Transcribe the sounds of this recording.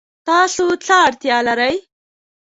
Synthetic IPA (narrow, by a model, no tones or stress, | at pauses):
t̪ɑsot͡saːɽt̪jɑlaɾəj